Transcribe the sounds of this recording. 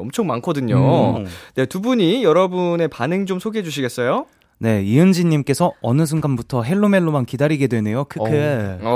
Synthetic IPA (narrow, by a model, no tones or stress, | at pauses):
ʌmt͡ɕʰʌŋmankʰʌdɯɲo | ne̞tubuɲijʌɾʌbune̞panɯŋt͡ɕomsʰoɡiɦed͡ʑuɕ̬ʰiɡe̞s͈ʌjo | ne̞iɯnd͡ʑiɲːimk͈e̞sʰʌʌnɯsʰɯnɡanbutʰʌɦe̞ɭːome̞ɭːomankidaɾiɡe̞dwe̞ne̞jokʰɯke